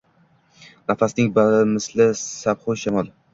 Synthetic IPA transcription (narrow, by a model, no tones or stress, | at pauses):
nafasnɪŋbalmɪslɪsabχʊjʃamɒlˠ